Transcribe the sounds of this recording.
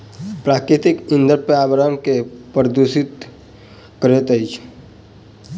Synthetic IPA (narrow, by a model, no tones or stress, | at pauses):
pɾaːkɾɪt̪ikĩnd̪əɾpeabɾamkepɾəd̪usit̪ | kəɾet̪əjt͡ʃʰ